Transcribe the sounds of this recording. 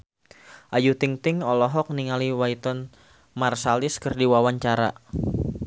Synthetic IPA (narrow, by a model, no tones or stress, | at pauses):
ʔajut̪iŋt̪ɪŋɔlɔɦɔk̚niŋaliwait̪ɔn | marsalɪskərdiwawaɲt͡ʃaɾa̰